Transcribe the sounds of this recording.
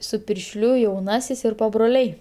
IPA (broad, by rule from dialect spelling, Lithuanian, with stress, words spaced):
sʊ pʲɪrʲʃʲˈlʲʊ jɛʊˈnɑːsʲɪs ɪr pɐbroːˈlʲɛɪ